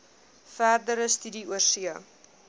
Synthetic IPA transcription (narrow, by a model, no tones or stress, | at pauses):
færdəɾəstydiuərsiə